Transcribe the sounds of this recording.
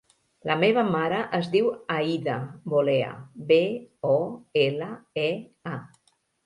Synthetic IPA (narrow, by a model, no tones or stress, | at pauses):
lʔəmeβ̞əmaɾəʔəzdiwaiðəβoleə̰beɔeləe | a